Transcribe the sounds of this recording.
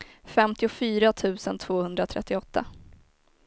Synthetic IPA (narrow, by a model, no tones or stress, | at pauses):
fɛmt̪ɪʊfyːɾat̪ʰʉ̟ːsənt̪ʰv̥oːhɵnd̪ɾat̪ʰɾɛ̰t̪ːɪɔt̪ʰːa̰